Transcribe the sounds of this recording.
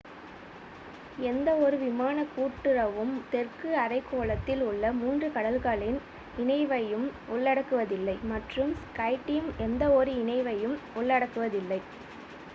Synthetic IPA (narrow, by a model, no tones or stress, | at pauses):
ɛnd̪ɐɔɾɯʋɪmaːnɐkuːʈːɯɾɐʋɯmt̪ɛrkɯɐrɐɪkːoːɭɐt̪ːɪlʊɭːɐmuːndrɯkɐɽɐlkaːɭɪn | ɪɳɐɪʋɐjɯmɔɭːɐɽɐkːɯʋɐðɪlːɐɪmɐʈrɯmskɐɪʈːɪjɯmɛnd̪ɐɔɾɯɪɳɐɪʋɐjɯmɔɭːɐɽɐkːɯʋɐðɪlːɐɪ